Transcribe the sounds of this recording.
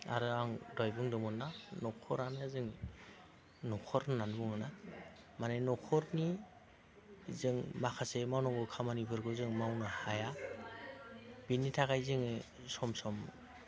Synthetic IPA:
a̰ɾɯaŋdɔjbɯŋdɔmɔnːanɔkʰɔɾamazɯŋ | nɔkʰɔɾnanbuŋɯna | manajnɔkʰɔɾni | zɯŋmakʰasemawnɔŋɡɯkʰamanibʰɯɾɡɯzɯŋmawnahaja | b̥inːitʰakajzɯŋɯ | sɔmsɔm

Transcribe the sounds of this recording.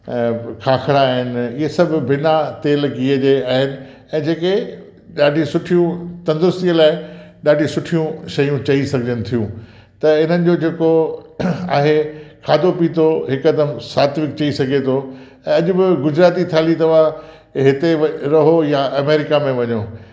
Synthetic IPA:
kʰaːxʰɾaːɦɪnɪ̆ɪɦesɐbʱbɪnat̪eːlɡiəd͡ʑeaːɦɪnɪ̆ | ɛ̃ːd͡ʑeːke | ɗaːɖʱisʊʈʰijũt̪ɐ̃nd̪ʊɾʊst̪iəlaːɪɗaːɖʱisʊʈʰijũʃɐjũt͡ɕɐisɐɡʱd͡ʑənɪ̆t̪ʰijũː | t̪ɐɪn̤ənɪ̆d͡ʑoːd͡ʑeːko | aːɦekʰaːd̪opit̪ʰoɦɪkɐd̪əmsaːt̪ʋɪk̚t͡ɕɐisɐɡʱet̪ʰo | ɛ̃ːɐʄʊ̆bɪɡʊd͡ʑɾaːt̪it̪ʰaːlit̪ɐʋa | ɦɪt̪eɾɐɦojaɐmeːɾɪkamẽʋɐɲoː

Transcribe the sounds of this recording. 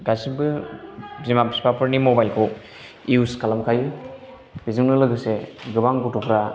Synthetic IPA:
ɡasibɯ | zimapi̥spapʰɯɾnimobajlkʰow | iuskalamkʰaji | b̥iziŋnɯlɯɡɯseɡɯbaŋɡutupʰɾa

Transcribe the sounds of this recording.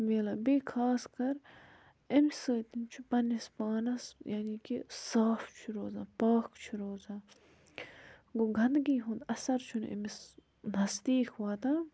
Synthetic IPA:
meːlɐːbeːkʰaːskɐɾ | emsɨːt̪int͡ʃʰupɐnispaːnɐsjaːniːkisaːft͡ʃʰuɾoːzaːpaːkʰt͡ʃʰuɾoːzaː | ɡuɡʱɐnd̪ɡiːɦũnd̪ɐsɐɾt͡ʃʰunḛmis | nɐsd̪iːkʰʋaːt̪aː

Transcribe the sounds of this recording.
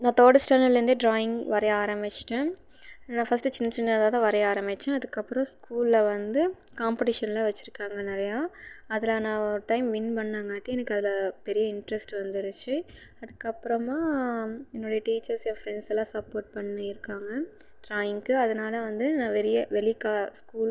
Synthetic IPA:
nãːt̪oːɽɐsʈɐnɐlɾɯnd̪ɯɖɾaːjɪŋɡʋɐɾɐjaːɾɐmɪt͡ʃːʈːɛ̃ | nãːfɐsʈːɯt͡ʃɪnːɐt͡ʃːɪnːɐɐðaːðaʋɐɾɐjaːɾɐmɪt͡ʃːɛ̃ɐðɯkːɐpːɯɾɔ̃skuːlːɐʋɐnd̪ɯ | kaːmpɪʈɪʂɐnlaːʋɐt͡ʃːɪɾɯkːaːŋɡɐnɪɾɐjaːɐðɪlaːnãːɾʈɐɪmʋɪnpɐɳːaːmaːʈːĩɛnɐkːɯɐðɪlɐpɛɾɪjɐɪɳʈɾɛsʈɯʋɐnd̪ɪɾɯt͡ʃːɯ | ɐðɯkːɐpːɯɾɐmaːɛnːoːɽɐjɐʈiːt͡ʃːɐɾsjafɾɛnsɛlãːsɐpːoːɾʈ̚pɐɳːɯɪɾɯkːaːŋɡɐ | ɖɾaːjɪŋɯɐðɐnaːlɐʋɐnd̪ɯnãːʋɛɾɪjɐʋɛlɪkaːskuːl

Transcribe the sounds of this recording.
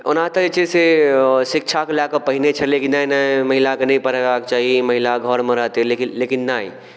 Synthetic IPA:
ʊnãt̪əet͡ʃesesɪk̚t͡ʃʰakelakəpəɦinet͡ʃʰɛlekinːainaməɦɪlakenɐĩpəɾabakt͡ʃaːɦiməɦilaɡʱɔɾmẽɾəɦt̪elkilekinːai

